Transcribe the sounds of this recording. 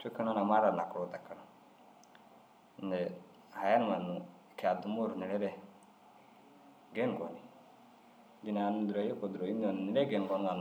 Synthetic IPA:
t͡ʃu˦kɛ˦nɔ˦na˨ma˦ɾa˨na˨ku˨ɾɔ˨t̪a˨kʰa˦nɔ˨˦ | nɛ˨ | ha˨ja˦n˨ma˨nu˨ | kʰa˨du˨mu˦ɾni˨lɛ˦ɾɛ˦ | ɡɛ˦nɡɔ˨ni˨ | di˨na˨nu˦duɾo˨jɛ˦ko˨d̪u˨ɾo˨i˦n˦ɔ˨n˨ni˨ɾɛ˦ɡɛ˨nɡɔ˨n˦ɡa˨n˨

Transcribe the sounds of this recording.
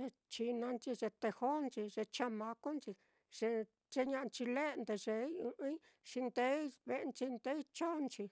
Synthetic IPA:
e˧ | t͡ʃi˧nã˧nt͡ʃi˧ʐe˧t̪e˧ho˦nt͡ʃi˧ʐe˧t͡ʃã˧mã˧ko˦nt͡ʃi˧ | ʐ̥e˧ | t͡ʃe˧ɲã˧ʔt͡ʃi˧le˦˧nd̪e˧ʐe˧˦ũ˧ʔĩ˦ | ʂi˧nd̪e˦βe˧nt͡ʃi˧nd̪e˦i˦t͡ʃo˦˧nt͡ʃi˧

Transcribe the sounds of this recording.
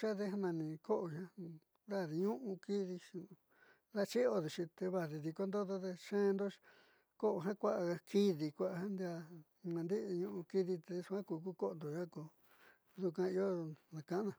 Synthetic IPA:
ʃa˦ðe˦ɦa˦nã˧nĩ˧ko˦ʔo˧ʃã˦ | ða˦˨ði˧ɲũ˦ʔũ˧ki˦ði˧ | ða˦˧t͡ʃi˦o˧ði˨t͡ʃĩ˧t̪e˧βa˧ði˧ði˧ko˧nd̪o˦d̪o˦ðe˧ʃẽː˦˧nd̪o˦ | ko˦ʔo˧ɦã˦kʷa˦ʔa˧kʰi˧ði˧kʷa˧ʔɦã˦nd̪i˧a˧ | nã˧nd̪i˦ʔɲũ˧ʔũ˧ki˧ði˧t̪e˧su˧kʷã˦kuː˧ku˦ko˦o˧nd̪o˨ʒa˦ko˧ | ðu˧kʷã˧i˧o˦nã˨˧kã˧ʔnã˧˨

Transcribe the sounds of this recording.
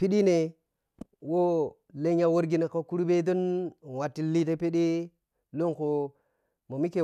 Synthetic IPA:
pi˦ɗi˦ne˨ | wo˦ | le˦ɲa˦˨wo˦ɾɡi˦ne˨ko˦ku˦ɾu˦be˦do˦n˨wa˨tːi˦li˦te˦pi˦ɗi˦ | lo˦nko˨ | mo˨mi˦ke˨

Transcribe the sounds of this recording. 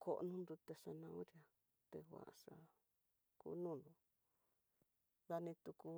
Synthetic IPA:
kʰo˧˨ʔnũ˦nd̪u˧t̪e˧ʂa˧nã˧ũ˦ɾja˧ | t̪e˧wʷa̰˨ʔʂa˧ | kṵː˦nũ˦˨nd̪ũ˨ | ða˧nĩ˧t̪u˧ku˧

